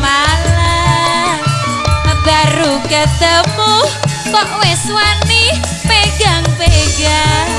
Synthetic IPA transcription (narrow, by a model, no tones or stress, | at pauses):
mala | əb̪̥aɾukəd̪̥əmu | t̪ɔʔweswani | meɡaŋpeɡa